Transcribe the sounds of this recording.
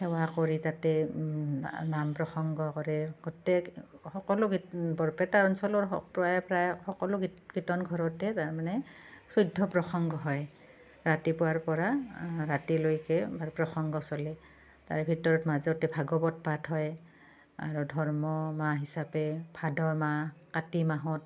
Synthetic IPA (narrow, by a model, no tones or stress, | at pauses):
hɛwakoɹitatɛ | nampɹɔxɔŋɡɔkɔɹɛɡɔtɛxɔkɔlʊɡbɔɹpɛtaɹɔnsɔlɔɹpɹajpɹajxɔkɔlʊɡkitɔnɡʱɔɹɔtɛtaɹmanɛsujdʱːɔpɹɔxɔŋɡɔɦɔj | ɹatipʊwaɹpɔɹaɹatilojkɛbaɹpɹɔxɔŋɡɔsɔlɛ | ta̰ɹɛbʱitɔɹɔtmazɛtɛbʱaɡɔbɔt̚patɦɔj | a̰ɹudʱɔɹmɔmaɦisapɛbʰʱadɔmakatimaɦɔt̚